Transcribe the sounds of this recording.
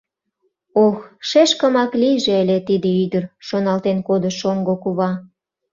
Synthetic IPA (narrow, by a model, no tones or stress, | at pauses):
oxʃeʃkə̆mɑklijʒeəlet̪id̪ĕyd̪ərʃonɑlt̪enkod̪ə̆ʃoŋɡokuβɑ